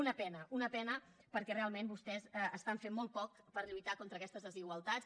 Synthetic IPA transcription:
unəpɛnəʔunəpɛnə | pəɾkɛrealˠmenbust̪ɛzəst̪aɱfemmːɔlˠt̪̚pɔk̚ | pəɾʎujt̪akont̪ɾəkɛst̪əzðəziɣwəlˠt̪at͡s

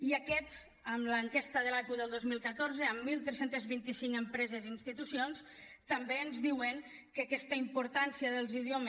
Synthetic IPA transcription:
iəkɛz | əmləŋkɛst̪əðəlakuðəlˠd̪ozmilˠkət̪oɾzəəmːilˠt̪ɾesent̪əzβint̪isiŋkəmpɾɛzezinst̪it̪usions | t̪əmbeənzðiwəŋ | kəkɛst̪əimpuɾt̪ansiəðəlˠziðiomə

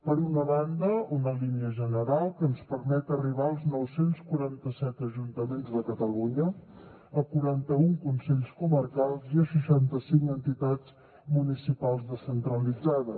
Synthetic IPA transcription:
pəɾunəβand̪əunəliniəʒənəɾalˠkənspəɾmɛt̪əriβ̞aəlˠznɔwsenskuɾant̪əsɛt̪əʒunt̪əmenzðəkət̪əluɲə | əkuɾant̪əuŋkunsɛʎskumərkalˠziəsəʃant̪əsiŋkənt̪it̪ad͡z | munisipalˠzðəsənt̪ɾəlid͡zaðə

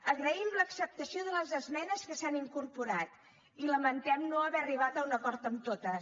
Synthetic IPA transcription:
əɣɾəimləksəp̚t̪əsioðələzəzmɛnəskəsaniŋkuɾpuɾat̪ | iləmənt̪ɛmnoəβɛriβat̪əunəkɔɾt̪əmt̪ot̪ə

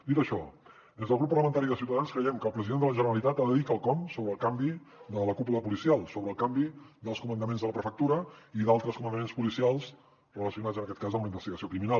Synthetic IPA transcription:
d̪it̪əʃɔ | d̪ezðəlˠɣɾupːərləmənt̪aɾiðəsiuwt̪əðanskɾəjɛmkəːlˠpɾəziðend̪ələʒənəɾəlit̪at̪aðəðikəlˠkɔmsoβɾəlˠkambid̪ələkupuləpulisialˠsoβɾəːlˠkambid̪əlˠskumənd̪əmenzðələpɾəfək̚t̪uɾəiðalˠt̪ɾəskumənd̪əmenspulisialˠs | rələsiunad͡zzənəkɛt̪̚kazəmuləimbəst̪iɣəsiokɾimina

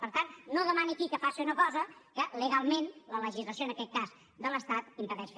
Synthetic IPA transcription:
pəɾt̪annoðəmaniəkikəfasiunəkɔzəkələɣalˠmenlələʒizləs̬joənəkɛt̪̚kaz | d̪ələst̪at̪imp̪əɾðɛʃ

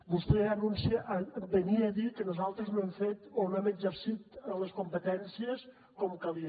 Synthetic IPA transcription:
bust̪ɛənunsibəniːðikənuzalˠt̪ɾəznɛmfet̪onɛməd͡ʒəɾsit̪ələskumpət̪ɛnsiəs | kɔmkəli

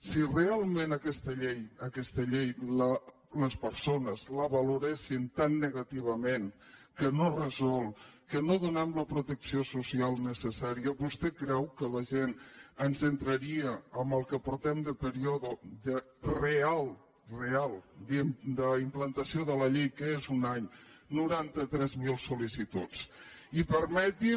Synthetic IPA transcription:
sirealˠmẽnəkɛst̪əʎejəkɛst̪əʎejlə | ləspəɾsonəzləβaluɾɛʃint̪anːəɣat̪iβ̞əmenkənorəzɔlˠkənoðunɛmləpɾut̪əksiosusialˠnəsəsaɾiəβust̪ɛkɾɛwkələʒenənzənt̪ɾəɾiəəmbəlˠkəpuɾt̪ɛmd̪əpəɾioðuðə | realˠ | realˠd̪id̪əimplənt̪əsioðələʎejkəezunaɲnuɾant̪ət̪ɾɛzmilˠsulisit̪ut͡sipəɾmɛt̪i

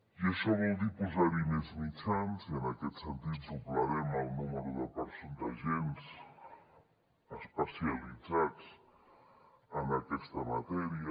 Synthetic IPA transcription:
jesoβald̪ipuzaɾineznit͡sʰanzanaket̪sant̪it̪zuplaɾemalnumeɾuðapaɾsunt̪aʒens | aspasjalizats | anakest̪amat̪eɾja

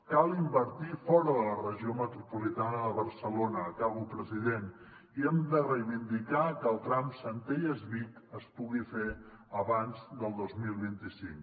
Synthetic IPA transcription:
kalˠimbəɾt̪ifɔɾəðələrəʒiomət̪ɾupulit̪anəðəβəɾsəlonəːkaβupɾəziðen | iɛmd̪ərəjβind̪ikakəːlˠt̪ɾamsənt̪ejəzβik̪əspuɣife | əβanzd̪əlˠd̪ozmilˠβint̪isiŋk

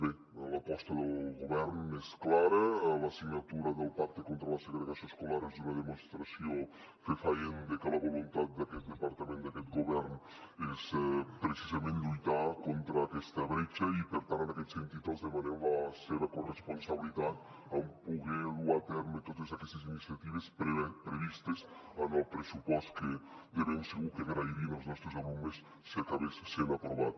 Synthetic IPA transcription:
bɛ | lapɔst̪ad̪əlɡoβɛɾnɛsklaɾəlasiɲat̪uɾad̪elapaɾt̪ekont̪ɾalaseɡɾeɣasioskolaɾɛzd̪unad̪emonst̪ɾasjo | fefajend̪ekəlavolunt̪at̪̚d̪akɛt̪̚d̪epaɾt̪ament̪d̪akɛt̪ɡoβɛɾn | ɛspɾet͡ʃizamẽnt̪ujt̪akont̪ɾakɛst̪aβɾet͡ʃaipeɾt̪aɾanakɛt̪sent̪it̪azðemaneβaseβakoresponsaβilit̪at̪ | ampuɣeluat̪ɛɾmet̪ot̪ezakɛst̪es̬inisjat̪iβ̞espɾeepɾeβist̪esanɔlpɾesupɔst̪ke | d̪eɾemseɣukeɣɾajɾimaoznɔst̪ɾosalumesː | eɾt̪aβessenapɾoβat̪̚

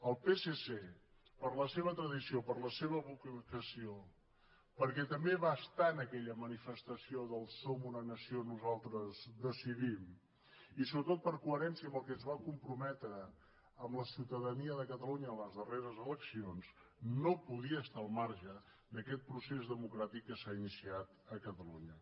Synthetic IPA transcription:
əlˠpesese | pəɾləseβət̪ɾəðisiopəɾləseβ̞əβukəkəsio | pəɾkɛt̪əmbeβaəst̪anəkɛʎəmənifəst̪əsioðəlˠsomunənəsionuzalˠt̪ɾəzðəsiðim | isoβɾət̪ot̪̚pəɾkuəɾɛnsiəmbəlˠkɛnzβakumpɾumɛt̪ɾəː | mbləsiwt̪əðəniəðəkət̪əluɲəːləzðəreɾəzələksionznopuðiəːst̪aəlˠmaɾʒə | d̪əkɛt̪̚pɾusezðəmukɾat̪ikːəsainisiat̪əkət̪əlṵɲə

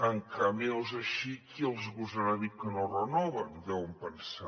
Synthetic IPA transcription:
əŋkamelˠzəʃikiəlˠzɣuzəɾaðiwkənorənɔβəndɛumpənsa

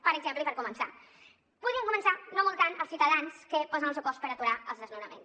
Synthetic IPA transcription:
pəɾəɡzempləipəɾkumənsa̰ | puðiəŋkumənsanomolˠt̪anəlˠsiwt̪əðanskəpɔzənəlˠs̬ewkɔspəɾət̪uɾaəlˠzðəznuwnəmẽns

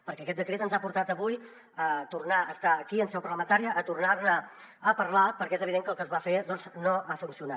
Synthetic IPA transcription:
pəɾkɛəkɛt̪̚d̪əkɾet̪ənzapuɾt̪at̪əβuj | ət̪urnaəst̪aəkiənsɛwpəɾrləmənt̪aɾiəʔːt̪urnarnə | əpəɾlapəɾkɛezəβiðeŋkəlˠkəzβafed̪ɔnznoʔafunsiunat̪

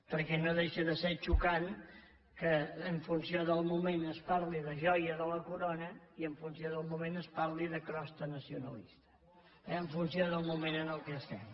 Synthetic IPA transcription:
pəɾkɛnoðeʃəðəsɛt͡ʃukan | kəːɱfunsioðəlˠmumenəspaɾliðəʒɔjəðələkuɾonəiəɱfunsioðəlˠmumenəspaɾliðəkɾɔst̪ənəsiunəlḭst̪ə̥ | ɛəɱfunsioðəlˠmumenənəlˠkɛəst̪ɛm

